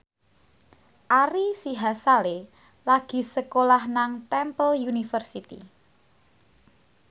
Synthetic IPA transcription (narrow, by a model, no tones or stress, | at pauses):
ʔaɾisiɦasale | laɡ̥i̤səkolahnaŋt̪ɛmpəljunifərsit̪ḭ